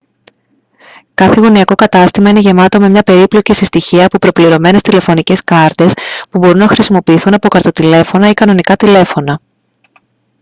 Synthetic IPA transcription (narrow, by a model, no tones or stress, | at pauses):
kɐθeɣoniɐko̞kɐt̪ɐst̪imɐine̞ʝe̞mɐt̪o̞me̞mɲɐpe̞ɾiplo̞cisist̪içiɐːpopɾo̞pliɾo̞me̞ne̞st̪ile̞fo̞nice̞skɐɾt̪e̞spubo̞ɾunɐxɾisimo̞piːθunɐpo̞kɐɾt̪o̞t̪ile̞fo̞nɐikɐno̞nikɐt̪ile̞fo̞nɐ